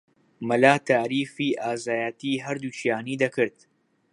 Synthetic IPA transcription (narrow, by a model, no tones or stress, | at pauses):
mɐlaːt̪ʰaːɾiːfiːʔaːzaːjat̪iːɦɐɾd̪uʃijaːniːd̪ɐkʰɨɾd̪̚